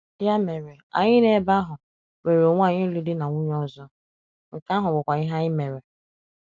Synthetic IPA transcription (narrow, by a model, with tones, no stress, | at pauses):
ja˦me˨ɾe˨a̰˨ɲɪ˦ne˦ba˦ɦʊ˨ | we˨ɾo˨ŋʷ˦a˦˨ɲɪ˦li˦dɪ˦na˨ŋʷu˦ɲ˦ɔ˦zɔ˦ | ŋ̩˨ka˦ɦʊ˨ɡ͡bʊ˨kʷa˨ɪ˦ɦa˦ɪ˦me˨ɾe˨